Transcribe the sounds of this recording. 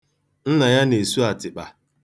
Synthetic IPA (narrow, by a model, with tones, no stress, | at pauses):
n̩˦na˨ja˦ne˨su˦a˨tɪ˨k͡pa˨